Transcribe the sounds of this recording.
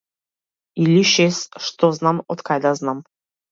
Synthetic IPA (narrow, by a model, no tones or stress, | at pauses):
ilʲiʃesʂt̪oznamɔt̪kʰajd̪aznam